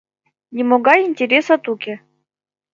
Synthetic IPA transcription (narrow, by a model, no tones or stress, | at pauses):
nʲɪmoɡɑjinʲtʲeɾʲesɐt̪ukʲe